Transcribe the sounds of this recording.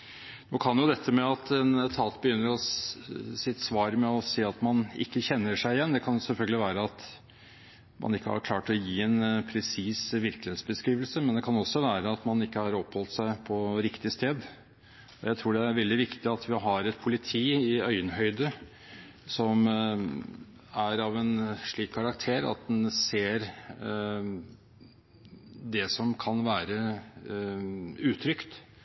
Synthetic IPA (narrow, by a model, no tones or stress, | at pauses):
noːkʰɑnjʊd̪ɛt̪ʰːəmɛɑt̪ɛnt̪ʰɑːt̪bəjʏnːəɾɔ | sɪt̪ːsʋɑːɾmɛɔseːɑt̪mɑnɪ̰kːəçɛnːəʂæɪɪjɛnːd̪ɛkʰɑnjʊsɛlfœlɡəlɪʋæːɾəɑt̪ | mʔɑ̰nɪkːəhɑ̰ɾkʰlɑːʈɔjiːɛnpʰɾɛsiːsʋɪɾklɪheːt̪sbəskɾiːʋəlsəmɛnd̪ɛkʰɑnɔsːɔʋæːɾəɑt̪mɑnɪkːəhɑɾɔpːhɔlt̪sæɪpʰɔɾɪkt̪ɪst̪eːd̪ | ɔjæɪt̪ʰɾuːɖɛæɾʋɛld̪ɪʋɪkt̪ɪɑt̪ʰʋɪɦɑɾɛt̪̚pʰʊlɪt̪ʰiːɪœʏənɦœʏd̪ə | sɔm | æɾɑʋɛnʂɭiːkʰːɑɾɑkt̪ʰeːɾɑ̰t̪̚d̪ɛnseːɾ | d̪ɛsɔmkʰɑnʋæːɾə | ʉːt̪ʰɾʏkt̪